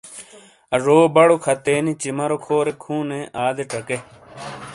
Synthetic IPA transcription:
ɐʐoːbɐɽokʰɐt̪eːnit͡ɕimɐɾokʰoːɾekʰũːneːʔaːd̪eʈɐke

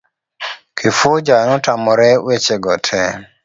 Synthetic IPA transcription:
kʰifod͡ʒanɔtamɔɾɛwet͡ʃeɡɔtʰɛ

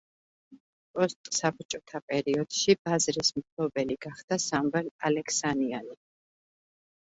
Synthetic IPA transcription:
pʼɔst̪ʼsabɾt͡ʃʼɔt̪ʰapʼɛɾiɔd̪̥ʃibazɾismpʰlˠɔbɛliɡaχd̪̥asamvɛlalɛkʰsaniani

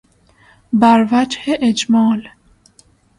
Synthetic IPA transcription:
bæɾvæd͡ʒheʔed͡ʒmɔːl

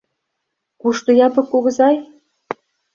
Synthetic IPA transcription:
kuʃt̪ŏjɑpɤ̆kːoɣɤ̆zɑj

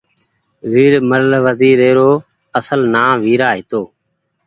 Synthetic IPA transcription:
ʋiːɾməɾlʋəziːɾeːɾoː | əsəlnaːʋiːɾaːɦɪt̪oː

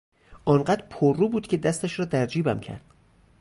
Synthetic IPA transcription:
ʔɒːnɢæd̪ɾpʰorːuːbuːd̪̥cʰʲe̞d̪æst̪æʃɾɒːd̪æɾd͡ʒiːbæmcʰæ̰ɾd̪̥

